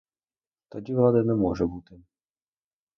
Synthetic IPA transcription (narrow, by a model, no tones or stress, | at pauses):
t̪ɔdʲivlˠad̪anɛmɔʐɛbut̪ɪ